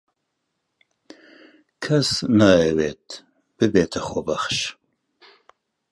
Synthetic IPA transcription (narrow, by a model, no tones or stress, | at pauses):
kʰɐsnaɛweːt̪ʰ | b̥ɨbeːt̪ʰɐχʷɔbɐχʃ